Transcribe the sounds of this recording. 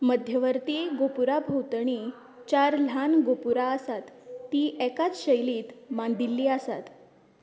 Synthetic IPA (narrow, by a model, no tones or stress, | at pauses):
məd̪ʱjəʋəɾt̪iɡopuɾabʱowt̪ɳ̃iː | t͡ɕaɾl̤anɡopuɾaəsat̪ːiːʔɛkat͡sɕəjliːt̪mand̪ilːiːəsat̪